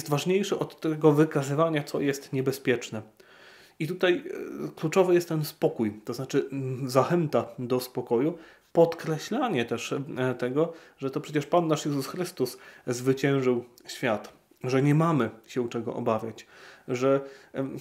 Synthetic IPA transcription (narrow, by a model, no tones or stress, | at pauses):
st̪vaʐɲejʂɛʔɔt̪ːɛɡɔvɘkazɘvaɲat̪sɔjɛst̪ɲɛbɛspʲjɛt͡ʂnɛ | it̪ut̪ajklut͡ʂɔvɘjɛst̪ːɛnspɔkujt̪ɔznat͡ʂɘzaxɛnt̪ad̪ɔspɔkɔju | pɔt̪kɾɛɕlaɲɛt̪ɛʂt̪ɛɡɔʐɛt̪ɔpʂɛt͡ɕɛʂpanːaʂjɛzusxɾɘst̪uszvɘt͡ɕɛ̃w̃ʐɘwɕfʲjat̪ | ʐɛɲɛmamɘɕɛut͡ʂɛɡɔ̰ʔɔ̰bavʲjat͡ɕʐɛ